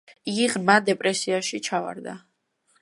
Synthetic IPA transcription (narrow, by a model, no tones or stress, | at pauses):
iʁmad̪ɛpʼɾɛsiaʃit͡ʃʰava̰ɾd̪a̰